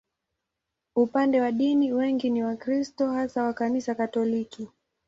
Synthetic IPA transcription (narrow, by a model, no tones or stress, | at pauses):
upandɛwaɗiniwɛŋɡiniwakɾistɔhasawakanisakatɔliki